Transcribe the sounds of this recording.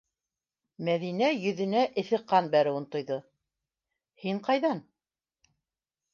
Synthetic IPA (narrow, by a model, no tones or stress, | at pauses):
mæðinæjɵ̆ðɘ̆næʔɘ̆θɘ̆qːɑnbæɾɘ̆wɤnt̪ŏjðɤ | hiɴqɑjðɑn